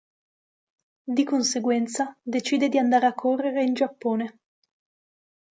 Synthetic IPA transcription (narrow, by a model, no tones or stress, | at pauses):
d̪ikonseɡwɛnt̪sad̪et͡ʃiːd̪ed̪iand̪aːɾeakʰːorːeɾeind͡ʒapːoːne